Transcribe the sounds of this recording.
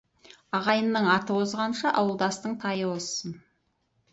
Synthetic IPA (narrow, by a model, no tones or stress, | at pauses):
ɑʁɑjənːəɴɑt̪əwozʁɑnʃɑʔɑwəlˠd̪ɑst̪əɴt̪ʰɑjwosən